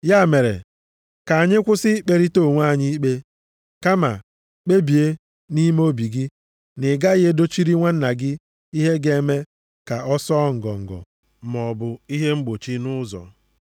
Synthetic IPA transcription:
ja˦˨me˨ɾḛ˨ | ka˨a˨ɲɪ˦kʷʊ˦sɪ˦k͡pe˨ɾi˦to˦˨ŋʷ˦a˦˨ɲi˦k͡pe˦ | ka˦ma̰˨ | k͡pe˦bi˨e˦ | ni˦m˦o˦bi˨ɡɪ˦ | nɪ˨ɡa˦ɣe˦do˦t͡ʃi˦ɾi˦ŋʷa˦n̩˦na˨ɡɪ˦ | i˦ɦe˦ɡe˨˦me˦ | ka˨ʔɔ˦sɔ˦ŋ̩˨ɡɔ̰˨ŋ̩˨ɡɔ̰˨ | m˨ɔ˨bʊ˨i˦ɦe˦ŋ͡m̩˦ɡ͡bo˨t͡ʃi˦nʊ˦zɔ̰˨

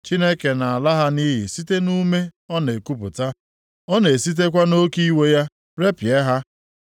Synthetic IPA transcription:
t͡ʃi˦ne˦ke˨na˨a˨la˦ɦa˦ni˦ɦi˨si˦te˦nu˦me˦ɔ˦ne˨ku˦pʊ̰˨ta˦ | ɔ˦ne˨si˦t̬e˦k̬ʷa˦no˦ki˦we˦ja˦ | ɾe˦pje˦ɦa˦

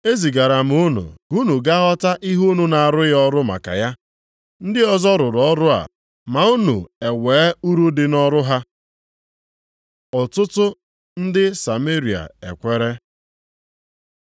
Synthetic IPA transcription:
e˦zi˨ɡa˨ɾa˨m̩˨u˦nṵ˨ɡu˦nu˨ɡa˦ɦɔ˦ta˦ʔi˦ɦu˦nu˨na˨a˨ɾʊ˦jɔ˦ɾʊ˦ma̰˨ka̰˨ja˦ | n̩˦dɪ˦ɔ˦zɔ˦ɾʊ˨ɾɔ˦ɾʊ˦a̰˨ | ma˨u˦nṵ˨e˨weː˨˦u˦ɾu˦dɪ˨nɔ˦ɾʊ˦ɦa˦ | ɔ˨tʊ˦tʊ˦ | n̩˦dɪ˦sa˨me˦ɾi˨a̰˨ḛ˨kʷe˦ɾe˦

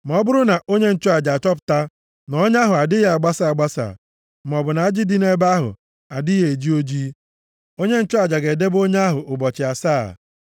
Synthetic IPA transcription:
m˨ɔ˨˦bʊ˦ɾʊ˦na˨ʔo˦ɲe˦n̩˦t͡ʃɔ˦a˨d͡ʒa˨a˨t͡ʃɔ˦p̬ʊ̥˨ta˦ | nɔ˦ɲ˦a˦ɦʊ˨a˨dɪ˦ɦa˨ɡ͡ba˦sa˦˨a˨ɡ͡ba˦sa̰˨ | m˨ɔ˨bʊ˨na˨a˦d͡ʒi˦di˦ne˦ba˦ɦʊ̰˨ | a˨dɪ˦ɦe˨e˨d͡ʒi˦o˦d͡ʒi˦ | o˦ɲe˦n̩˦t͡ʃʊ˦a˨d͡ʒa˨ɡe˨de˦bo˦ɲe˦a˦ɦʊ˨ʔʊ˨bɔ˨t͡ʃɪ˨a˨sa̰ː˦˨

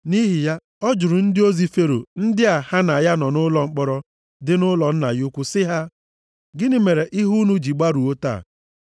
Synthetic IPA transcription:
ni˦ɦɪ˨ja˦ | ɔ˦d͡ʒʊ˨ɾʊ˨n̩˦dɪ˦o˦zi˦fe˦ɾo̰˨n̩˦dɪ˦a˨ha˦na˨ja˦nɔ˨nʊ˦lɔ˨ŋ͡m̩˦k͡pɔ˦ɾɔ˦ | dɪ˦nʊ˦lɔ˨n̩˦na˨jʊ˦kʷʊ˦sɪ˦ɦa˦ | ɡɪ˦nɪ˦me˨ɾe˨ʔi˦ɦu˦nu˦d͡ʒi˨ɡ͡ba˦ɾu˨o˦ta̰ː˦˨

